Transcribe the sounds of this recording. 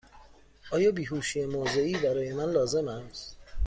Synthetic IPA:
ʔɒːjɒːbiːɦuːʃijemoːze̞iːbæɾɒːje̞mænlɒːze̞mæs

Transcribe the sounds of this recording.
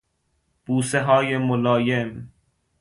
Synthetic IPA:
b̥uːseɦɒːjemolɒːjem

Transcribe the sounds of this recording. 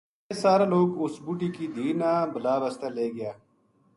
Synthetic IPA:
saːɾaloːɡʊsbuʈiːkid̪iːnaːbəlaːbɐst̪aːleːɡɪjaː

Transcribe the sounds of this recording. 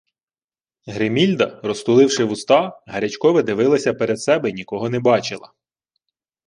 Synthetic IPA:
ɦɾemʲilʲd̪ɐrɔst̪ʊlˠɪwʃɪʋʊst̪ɑɦɐɾʲɐt͡ʃkɔʋɪd̪ɪʋɪlˠɐsʲɐpeɾed̪sɛbɛinʲikɔɦɔnɛbɑt͡ʃɪlˠɐ̰

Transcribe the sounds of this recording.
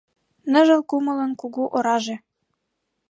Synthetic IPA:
nə̆ʒɤ̆lkumɤ̆lɤ̆nkuɣuʔoɾɑʒe

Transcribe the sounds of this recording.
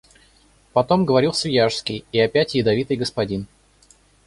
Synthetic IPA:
pɐt̪o̞mɡəvɐɾʲilˠsʲvʲjaʂskʲɪjɪɐpʲætʲjɪd̪ɐvʲit̪ɨjɡəspɐdʲin

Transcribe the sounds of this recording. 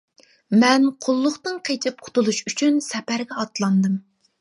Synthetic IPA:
mɛnqʰʊlˠːʊχt̪ɨnqʰet͡ʃʰɪp̚qʰʊ̥t̪ulˠuʃyt͡ʃʰynsɛpæɾɡʲɛɑt̪lˠɑnd̪ɨm

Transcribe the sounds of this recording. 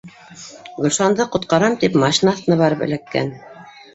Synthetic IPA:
ɡɵ̆lʃɑnd̪ɤqŏt̪̚qɑɾɑmt̪ipmɑʃinɑθt̪ɤ̆nɑβɑɾɤpɘ̰̆lækːæ̰n

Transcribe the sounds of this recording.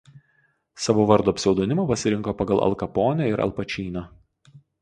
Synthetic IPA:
sɑʋoːʋɐɾd̪oːɐpʲsʲɛʊd̪oːnʲɪmopɐsʲɪɾʲɪŋˑkoːpɐɡɐlˠʔɐ̰lˠkɐpoːnʲɛɪɾɐ̰lˠpɐt͡ʃʲiːnʲoː

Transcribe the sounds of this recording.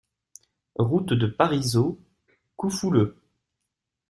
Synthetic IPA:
ʁut̪d̪əpaʁizo | kufulø

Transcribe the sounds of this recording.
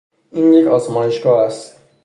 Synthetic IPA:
ʔiːnjecʰɒːzmɒːje̞ʃɡɒːæst̪

